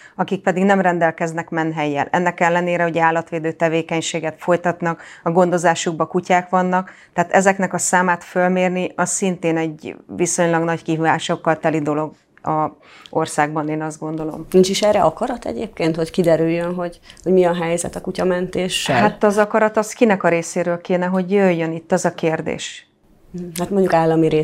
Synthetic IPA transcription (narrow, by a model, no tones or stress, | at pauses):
ɒkik̚pɛd̪iɡnɛmrɛnd̪ɛlkɛznɛkmɛnɦɛjːɛ̰lʔɛ̰nːɛkɛlːɛneːɾɛɦoɟɛaːlːɒt̪ʋeːd̪øːt̪ɛveːkɛɲʃeːɡɛt̪fo̞jt̪ɒt̪nɒkɒɡo̞nd̪o̞zaːʃuɡ̚bɒkucaːkʋɒnːɒkt̪ɛːt̪ɛzɛknɛkɒsaːmaːt̪følmeːrniɒsːint̪eːnɛɟʋiso̞ɲlɒɡnɒckiɦyvaːʃo̞kːɒlt̪ɛlid̪o̞lo̞ɡ | ʔɒ | o̞̰rsaːɡbɒneːnɒzd̪̚ɡo̞nd̪o̞lo̞̰mnint͡ʃiʃɛɾɛɒkɒɾɒt̪ɛ̰ɟeːp̚keːnt̪ho̞ckid̪ɛɾyjːønɦo̞ɟhoɟmiɒɦɛjzɛ̰t̪ɒkucɒmɛnt̪eːʃːɛ̰lɦat̪ɒzɒkɒɾɒt̪ɒskinɛkɒɾeːseːɾøːlkeːnɛɦo̞ɟjøjːønit̪ːɒzɒkeːrd̪ḛːʃ̩ | hat̪moɲɟukaːlːɒmiɾeː